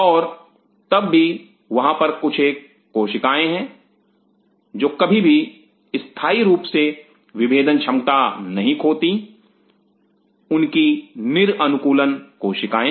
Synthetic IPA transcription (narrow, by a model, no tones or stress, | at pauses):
ɔːɾ | t̪ɐbːi | ʋɐɦãpɐɾkʊt͡ʃʰeːkː | oːʃɪkaːẽɦɛ̃ | d͡ʒoːkɐbʱibʱi | ɪst̪ʰaːiɾuːpse | ʋɪbeːd̪ənt͡ʃʰɐ̃mkt̪anɐɦĩkʰoːt̪i | ʊnkinɪɾɐnʊkuːlənkoːʃɪkaːẽ